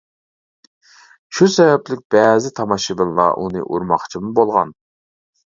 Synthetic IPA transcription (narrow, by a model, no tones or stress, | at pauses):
ʃusɛvɛplɪk̚ʲb̥ɛːzɪt̪ʰɑmɑʃɨbɨnlˠɑ̰ʔunɨ̰ʔuɾmɑχt͡ʃʰimubolˠʁɑn